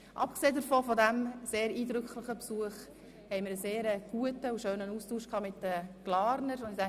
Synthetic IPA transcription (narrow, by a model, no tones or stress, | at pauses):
ʔɑ̰pkseːdəɾfoːfɔdæmseːɾiːdɾʏkχlɪχəpsuəχ | hɛɪməɾəseːɾəɡ̥uətəuʃøːnənuːstuːʃkhɑːmɪtdəɡ̥lɑːɾnəɾʊndɪdæ